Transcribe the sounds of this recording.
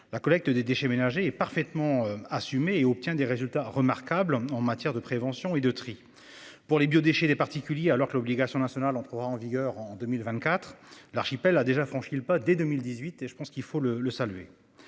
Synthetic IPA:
lakɔlɛk̚t̪əd̪ed̪eʃɛmenaʒeɛpaʁfɛt̪mɑ̃asymeːɔp̚t̪jɛ̃d̪eʁezylt̪aʁəmaʁkablɑ̃mat̪jɛʁd̪əpχevɑ̃sjɔ̃ed̪ət̪χi | puʁlebjod̪eʃɛd̪epaʁt̪ikʲyljealɔʁkəlɔbliɡasjɔ̃nasjɔnalɑ̃t̪χəʁaɑ̃viɡʲœʁɑ̃d̪ømilvɛ̃t̪kat̪χlaʁʃipɛlːad̪eʒafχɑ̃ʃilpad̪ed̪ømild̪izɥit̪eʒəpɑ̃skilfolələsalɥḛ

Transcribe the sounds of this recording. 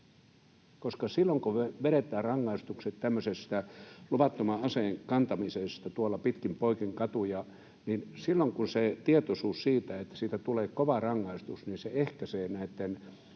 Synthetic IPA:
koskɑsilːoŋkuʋʋeɾet̪ˑæːrrɑŋːɑist̪ukset̪t̪æmːøsest̪æluʋɑt̪ːomɑɑseŋkɑnt̪ɑmisest̪ɑt̪uolːɑpit̪kimpoikiŋkɑt̪ujɑ | ninsilːoŋkunset̪iet̪osuːssiːt̪æet̪ːæ̥siːt̪æt̪uleːkoʋɑrɑŋːɑist̪usninseehkæseːnæit̪ːen

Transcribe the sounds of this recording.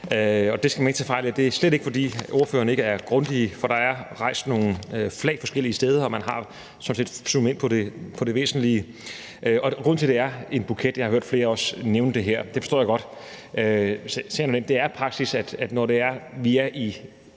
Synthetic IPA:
øɒ̽d̥e̝sɡ̥æmænt͡sʰefɑ̈ɪ̰liæd̥e̝æɐsleɾ̥e̝ɡ̥əfɒ̽d̥ḭːoɐfø̰ːɐnəe̝ɡ̥əæɐɡ̥ʁɔ̽nd̥ifɒɾ̥ɑ̈æɐʁɑ̈ɪ̰sd̥no̝ːŋn̩øflɛ̰ɪfɒ̽sɡ̥el̰iːsd̥eð̞ˠəɒ̽mænɦɑ̈ | sɒ̽mnse̝ːd̥sumen̰pʰɒ̽d̥e̝pʰɒ̽d̥e̝ʋe̝̰ːsn̩li | ʔøɒ̽ɡ̥ʁɔ̽n̰t͡sʰeld̥e̝æɐe̝nb̥ukʰed̥jɑ̈hɑ̈høɐ̰d̥fle̝ːɐɒ̽sneʊnəd̥e̝ɦeɐ̰d̥efɒsɔ̰ːjɡ̥ɒ̽d̥ | øssḛnoemd̥e̝æɐpʰʁɑ̈ɡ̥sisæd̥æd̥nɒde̝æɐʋiæɐʔi

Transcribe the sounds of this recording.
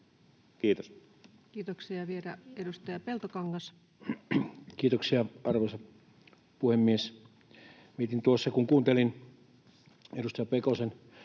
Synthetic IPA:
kiːt̪os | kiːt̪oksiɑʋiedæedust̪ɑjɑpelt̪okɑŋːɑs | kiːt̪oksiɑɑrʋosɑ | puhemːies | ʋiet̪int̪uosːɑkuŋkuːnt̪elin | edust̪ɑjɑpekosen

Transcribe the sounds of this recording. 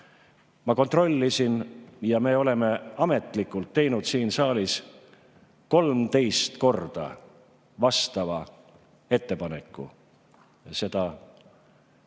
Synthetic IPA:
mɑko̞nt̪ro̞lʲːisinjɑme̞ːo̞le̞me̞ɑme̞t̪ˑlikːˑult̪ːe̞jnud̪siːnsɑːlis | ko̞lmt̪e̞jst̪ko̞rd̪̥ɑ̰ | vɑst̪ɑvɑ | e̞t̪ːe̞pɑne̞kːˑṵ | se̞d̪̥ɑ

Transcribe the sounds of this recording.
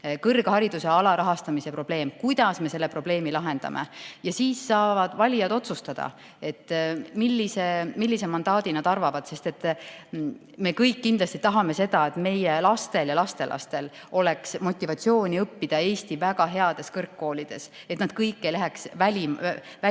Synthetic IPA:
kɤrɡ̥hɑɾid̪̥use̞ɑlɑɾɑɦɑst̪ɑmise̞pro̞b̥le̞ːmkujd̪̥ɑsme̞se̞lːe̞pro̞b̥le̞ːmilɑɦe̞nd̪̥ɑ̰mʔe̞̰jɑsiːsːɑːvɑd̪̥vɑlʲijɑd̪̥o̞t̪sust̪ɑd̪̥ɑ̰ | e̞t̪ːmilːise̞milːisemɑnd̪ɑːd̪̥inɑd̪ɑrvɑvɑd̪̥se̞st̪e̞t̪ː | me̞kɤjkːind̪lɑst̪it̪ɑɦɑme̞se̞d̪ɑe̞t̪me̞jelɑst̪e̞ljɑlɑst̪e̞lʔɑ̰st̪e̞l | o̞le̞ksmo̞t̪ʲːˑivɑt̪sio̞ːnʲiɤpːid̪̥ɑe̞ːst̪ivæɡ̥ɑɦe̞ɑd̪̥e̞skɤrkːo̞ːlʲid̪̥e̞̰s | e̞t̪nɑd̪̥kɤjkːejlæɦeksvælʲimvæ

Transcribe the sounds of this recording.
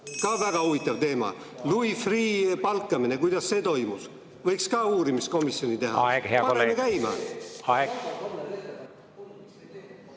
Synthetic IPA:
kɑːvæɡ̥ɑhuvit̪ːˑɑvt̪e̞ːmɑ̰ | luifriːpɑlkːˑɑmine̞kujd̪̥ɑsːe̞ːt̪o̞jmus | vɤjkskɑːuːɾimisko̞misːjo̞nit̪e̞ɦɑ̰ɑeɡ̥heɑpɑɾemekæjmɑ̰ɑeɡ

